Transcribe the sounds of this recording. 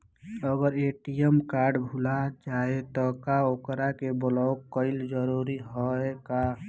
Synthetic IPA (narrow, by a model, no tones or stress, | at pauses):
əɡəɾeʈijemkaɾɖbʱulad͡ʒaet̪ɔkaokɾakebəlaokːəɪld͡ʒəɾuɾiɦɔeka